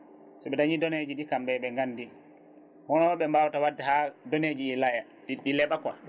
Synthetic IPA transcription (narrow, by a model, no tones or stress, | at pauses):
sɔɓɛdaɲidɔned͡ʒiɗikambɛɓɛŋɡanːdi | hɔnɔɓɛmbawtawadːɛhadɔned͡ʒiɛlaja | ɗiɗilɛɓakwa